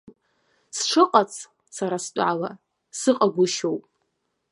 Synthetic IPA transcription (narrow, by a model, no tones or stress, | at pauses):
sʈ͡ʂʰɨqʼat͡sʰ | saɾastʼʕala | sɨqʼaɡʷʊʃowpʼ